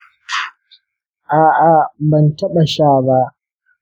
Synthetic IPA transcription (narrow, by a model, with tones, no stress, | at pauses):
ʔaː˨ʔa˨bɐ˨ntɐ˦ɓa˨ʃaː˦˨ba˦ʔ